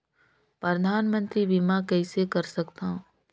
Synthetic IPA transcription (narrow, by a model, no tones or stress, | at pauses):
pɾɐd̪ʱaːnmə̃nt̪ɾibimakɛːsekɐɾsɐkt̪aɦõ